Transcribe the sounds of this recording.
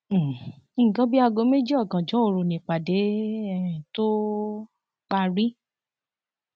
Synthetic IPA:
i˦˨ɡã˦bi˦a˧ɡo˧˦me˦d͡ʒi˦ɔ˦˨ɡã˨d͡ʒɔ̃˨˦o˧ɾu˧˨nĩ˨k͡pa˨de˨˦ɛ˦˨ĩ˨to˦ | k͡pa˧ɾi˦

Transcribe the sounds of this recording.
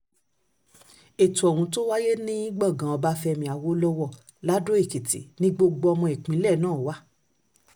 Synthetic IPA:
e˨tũ˨ɔ˨wũ˨˧˦to˦wa˦je˦nĩ˦i˦ɡ͡bã˦˨ɡã˨˦ɔ˧ba˦fɛ˧mĩ˧˨a˨wo˦lɔ˦wɔ˦˨ | la˦do˦e˦˨ki˨tḭ˨nĩ˦ɡ͡bo˧ɡ͡bo˧ɔ˧mɔ̃˧e˨k͡pĩ˨˦lɛ˦˨nãː˦˨wa˦

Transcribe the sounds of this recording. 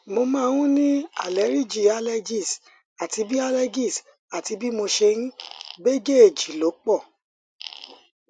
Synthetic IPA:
mo˧mãː˦˧wũ˦nĩ˦a̰˦˨le˨˦ɾi˦˨d͡ʒi˦˨a˧˦le˧d͡ʒi˦˨s | a˨ti˧bi˦a˧le˧ɡi˦˨s | a˨ti˧bi˦mo˧ʃe˧ñ̩˦be˦ɡe˦e˨d͡ʒi˨lo˨˦k͡pɔ˦˨

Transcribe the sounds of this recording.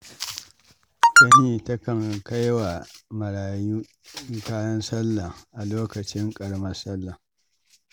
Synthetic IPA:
tɐ˦niː˨tɐ˦kɐ˨ŋka˦jwa˨mɐ˨ɽaː˨juː˦ | ŋkaː˦jɐ˦nsɐ˦lːɐ˨ʔa˨loː˦kɐ˨t͡ʃɪ˦ŋkʼɐ˨ɽmɐ˦sɐ˦lːɐ˨

